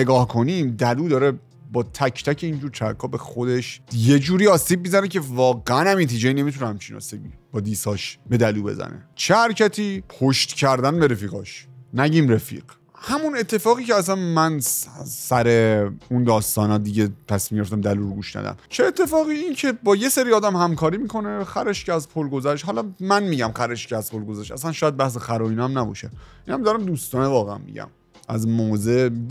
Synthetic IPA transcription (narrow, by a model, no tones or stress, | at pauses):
eɡɒːhkʰo̞niːmd̪æluːd̪ɒːɾe | bɒːt̪ʰæcʰt̪ʰæcʰe̞ind͡ʒuːɾt̪ʰæ̰kʰːɒːbe̞xo̞d̪e̞ʃje̞d͡ʒuːɾiːɒːsiːb̚ːizænecʰe̞vɒːɣeænæmint̪ʰiːd͡ʒeiːne̞mit̪ʰunehæmt͡ʃʰinɒ̰ːsibib̥ɒːd̪iːsɒːʃbe̞d̪æluːbe̞̰zæ̰nḛt͡ʃʰehæɾcʰæt̪ʰiːpʰoʃt̪cʰæɾd̪ænbe̞ɾe̞fiːɣɒ̰ːʃnæɟiːmɾefḭːɢ̥ | hæmunet̪ʰːe̞fɒːɣiːceæs̬ænmænssæɾeund̪ɒːst̪ɒːnɒːd̪iɟet̪ʰæsmimɟeeft̪æmd̪æluːɾɡuʃnæ̰d̪æ̰mt͡ʃʰeːt̪ʰːe̞fɒːɣiːiːncʰe̞bɒːje̞seɾiːɒːd̪æmhæmkʰɒːɾiːmiːkʰo̞ne̞xæɾeʃcʰeæzpʰolɡo̞zæʃt̪hɒlɒmænmiːɟæmxæɾeʃcʰeæz̥pʰolɡozæʃæ̰sænʃɒːjæd̪̚bæhs̬exæɾɒːiːnæmnæbɒ̰ːʃeʔiːnæmd̪ɒɾæmd̪uːst̪ɒːnevɒːɣeæ̰nmḭɟæ̰m | æzmoːze